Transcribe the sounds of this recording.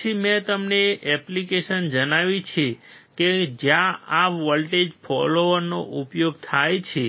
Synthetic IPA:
imẽt̪əmneʔɛplikeʃənd͡ʒənaʋit͡ʃʰeked͡ʒjãaʋɔlʈed͡ʒpʰɔloʋəno̰ʔupjoɡt̪ʰajt͡ʃʰe

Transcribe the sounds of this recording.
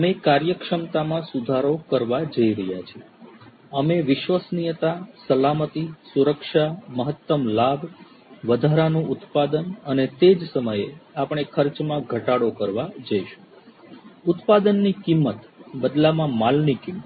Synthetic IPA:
əmekaɾjəkʂəmt̪amãsud̪ʱaɾokəɾʋad͡ʒəiɾəɦjat͡ʃʰie | əmeʋɪʃʋəsnijət̪asəlamət̪isuɾəkʃaməɦət̪ːəmlabʱ | ʋəd̪ʱaɾanũʔʊt̪pad̪ənənet̪ed͡ʒsəməjeapɳ̃ekʰəɾt͡ʃmãɡʱəʈaɽokəɾʋad͡ʒəiʃũ̥ | ʊt̪pad̪ənːikimːət̪bəd̪lamãmalnikim

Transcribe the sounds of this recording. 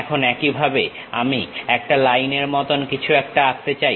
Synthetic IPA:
kʰonɛkibʱabe | amiɛk̚ʈalajneɾmɔt̪onkit͡ɕʰuɛk̚ʈaast̪et͡ɕaj

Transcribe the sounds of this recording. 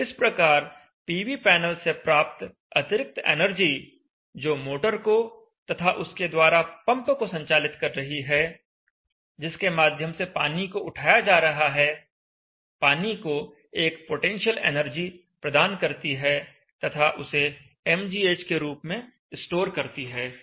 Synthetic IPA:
ɪspɾɐkaːɾ | piːʋipɛːnəlsepɾaːp̚t̪ | ɐt̪ɪɾɪk̚t̪ḛːnəɾd͡ʒi | d͡ʒoːmoːʈəɾko | t̪ɐt̪ʰaʔʊsked̪waːɾapɐ̃mpkosɐ̃ɲt͡ʃaːlɪt̪kɐɾːɐɦiɦɛː | d͡ʒɪskemaːd̪ʱjəmsepaːnikoʊʈʰaːjad͡ʒaːɾɐɦaɦɛ | paːniko | eːkpoʈẽːnʃəlḛːnəɾd͡ʒi | pɾɐd̪aːnkɐɾt̪iɦɛ | t̪ɐt̪ʰaʔʊse | ɛmd͡ʒiːeːt͡ʃkeɾuːpmẽ | ɪsʈoːɾkɐɾt̪iɦɛː

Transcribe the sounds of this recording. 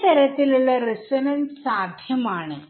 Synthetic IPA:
t̪ɐɾɐt̪ːiluɭːɐresɐnɐnsaːd̪ʱjɐmaːɳɨ

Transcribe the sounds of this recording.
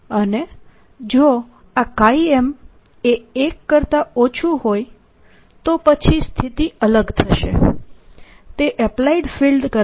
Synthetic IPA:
əne | d͡ʒo | akaiem | eekːəɾt̪aot͡ʃʰuɦoj | t̪opət͡ʃʰist̪ʰit̪iələɡt̪ʰəʃḛ | t̪eʔɛplaiɖfilɖkə

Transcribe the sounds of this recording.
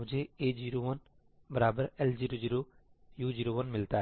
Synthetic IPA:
ʊ̃d͡ʒʱeed͡ʒiɾoʋən | bəɾaːbəɾeld͡ʒiɾod͡ʒiːɾo | juːd͡ʒiːɾoʋənmɪlt̪aɦ

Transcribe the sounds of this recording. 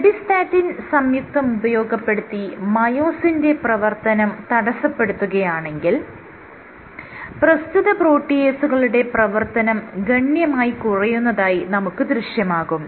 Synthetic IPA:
ɐbist̪aːtːinsɐmjuk̚t̪ːɐmubɐjo̞ːɡɐpːe̞ɽut̪ːimɐjo̞ːsinde̞prɐʋɐrt̪ɐnɐmt̪ɐɽɐsɐpːe̞ɽut̪ːuɣɐjaːɳe̞ŋɡil | prɐst̪uðɐpro̞ːʈːijeːsuɣɐɭuɽe̞prɐʋɐrt̪ɐnɐmɡɐɳjɐmaːjikurɐjunːɐðaːjinɐmukːɨd̪riɕjɐmaːɣum

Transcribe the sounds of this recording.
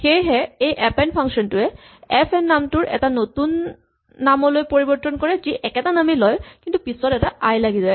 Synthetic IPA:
xejɦɛejʔɛpɛnpʰaŋkʃɔntʊɛ | ɛpʰɛnːamtʊɹʔɛ̰tanotunː | amɔlojpoɹibɔtːɔnkɔɹɛziʔɛkɛtanamilɔjkintupisɔtɛtaʔajlaɡizaj

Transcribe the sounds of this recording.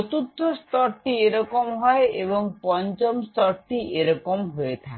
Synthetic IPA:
ɔt̪ud̪ʱːɔst̪ɔɾt̪ieɾɔkɔmɦɔeebɔŋpɔnt͡ʃɔmst̪ɔɾt̪iʔeɾɔkɔmɦojet̪ʰa

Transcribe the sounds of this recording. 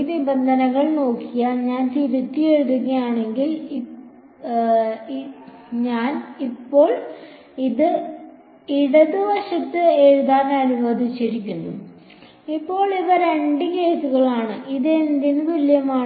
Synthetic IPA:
inibɐnd̪ʱɐnɐŋːɐɭno̞ːkːijaːnɲaːnt̪ibit̪ːijeɻuðuɣɐjaːɳe̞ŋɡili | ɲaːnipːo̞ːɭ | iðɨ | iɽɐd̪uʋɐʂɐt̪ːɨeːɻuðaːnɐniʋoːd̪ʱit͡ɕːɐɾikʲːunːṵ | ipːo̞ːɭiʋɐɾeɳɖike̞ːsuɣɐɭaːɳɨʔiðend̪inɨʋiljɐmaː

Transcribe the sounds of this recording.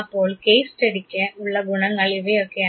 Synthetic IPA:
pːoːɭkeːsʈɛɽɪkːɐʊɭːɐɡʊnɐŋɡɐɭɪʋeoːkːe

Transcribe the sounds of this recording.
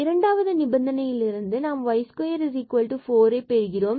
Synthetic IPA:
ɪɾɐɳɖaːʋɐðɯnɪbɐnd̪ɐnɐjɪlɪɾɯnd̪ɯnaːmʋɐɪskojɐɾɪsikɐːlʈːɯfoːɾeːpeɾɯɣɪroːm

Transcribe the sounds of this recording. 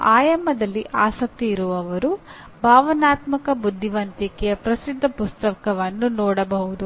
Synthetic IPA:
aːjɐmːɐd̪ɐlːiʔaːsɐk̚t̪iːɾuʋɐʋɐɾu | bʱaːʋɐnaːt̪mɐkɐbud̪ʱːiʋɐnt̪ikɛjɐpɾɐsid̪ʱːɐpust̪ɐkɐʋɐnːunɔːɽɐbɐɦud̪u

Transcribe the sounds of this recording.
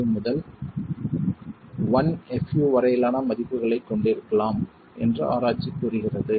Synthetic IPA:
ɯmʊðɐl | ʋɐnɛfjuːʋɐɾɐjɪlaːnɐmɐðɪpːɯɣɐɭɐɪkːɔɳɖɪɾɯkːɐɭaːm | ʔɛndrɯ̰ʔa̰ːɾaːt͡ʃːikːuːrɯɣɪrɐðɯ

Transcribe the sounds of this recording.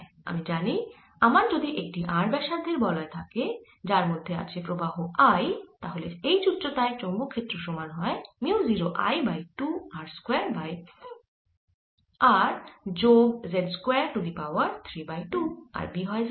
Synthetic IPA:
a̰mid͡ʑani | amaɾd͡ʑod̪iʔek̚ʈiʔaɾbɛʃad̪ʱːeɾbɔlɔet̪ʰake | d͡ʑaɾmod̪ʱːea̰kepɾobaɦoajt̪aɦoleejt͡ɕutːʃot̪aet͡ɕombokʰːet̪ːɾoʃɔmanɦɔemiuziɾoʔa̰jbajʈuaɾskweaɾbaj | aɾd͡ʑoɡzedskweaɾʈud̪ipawaɾt̪ʰɾibajʈua̰ɾbiɦɔez

